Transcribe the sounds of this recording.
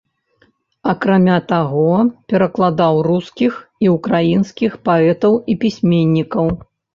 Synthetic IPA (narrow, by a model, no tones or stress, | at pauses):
ɐkɾamʲat̪aɣɔpʲɛɾɐklˠad̪awruskʲixiukɾajinskʲixpaɛt̪ɐwipʲisʲmʲenʲːikɐw